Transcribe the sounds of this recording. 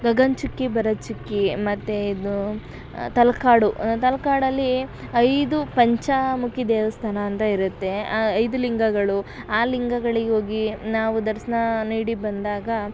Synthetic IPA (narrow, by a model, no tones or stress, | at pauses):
ɡɐɡɐnt͡ʃukːibɐɾɐt͡ʃukːimɐt̪ːeid̪u | t̪ɐlɐkaːɽut̪ɐlɐkaːɽɐlːiɐjd̪upɐɲt͡ʃɐmukid̪eːʋɐst̪ʰɐnɐːnt̪ɐiɾut̪ːe̞ɐjd̪uliŋɡɐɡɐɭu | aːliŋɡɐɡɐɭiɡeɦoːɡinaːʋud̪ɐɾsɐnɐniːɽibɐnd̪aːɡɐ